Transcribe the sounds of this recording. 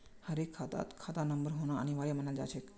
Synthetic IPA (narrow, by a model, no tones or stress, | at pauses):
həɾekʰːat̪a̰t̪kʰat̪anəmbəɾɦoɽ̃a̰ːñiʋaɾjam̤ənald͡ʑa̰t͡ɕʰek